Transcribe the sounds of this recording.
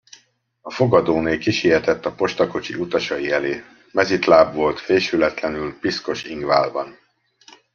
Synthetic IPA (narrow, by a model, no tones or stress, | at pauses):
ɒfo̞ɡɒd̪oːneːlkiʃijɛt̪ɛt̪ːɒpo̞ʃt̪ɒko̞t͡ʃiut̪ɒʃɒiɛleː | mɛzit̪laːbvo̞lt̪feːʃylɛt̪lɛnylpisko̞ʃiŋɡvaːlbɒn